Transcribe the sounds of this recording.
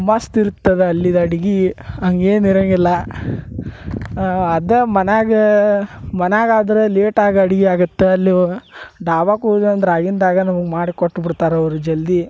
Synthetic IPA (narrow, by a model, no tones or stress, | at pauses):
mɐst̪iɾut̪ːɐd̪eɐlːid̪ɐɽiɡiɐŋɡeːniɾɐŋɡilːɐ | ɐd̪ɐmɐnaːɡe | mɐnaːɡaːd̪ɐɾeleːʈaːɡɐɽiɡiaːɡut̪ːeɐlːiɖaːʋaːkud͡ʒɐnd̪ɐɾaːɡind̪aːɡɐnɐmɐɡmaːɽikoʈːbiɽt̪aːɾɐʋɐɾud͡ʒɐld̪i